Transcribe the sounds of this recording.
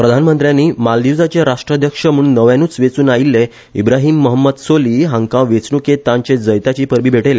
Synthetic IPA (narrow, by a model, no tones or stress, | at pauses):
pɾəd̪ʱanmənt̪ɾjanːiːmald̪iwd͡zat͡ɕeɾaʂʈɾəd̪ʱjəkʂəmuːɳnəʋjãnuːt͡sʋet͡suːnailːe | ibɾaɦiːmːəɦəmːəd̪soliːɦãŋkãʋet͡sɳuket̪ãɲt͡ɕed͡zəjt̪at͡ɕiːpəɾbiːbʱeʈelja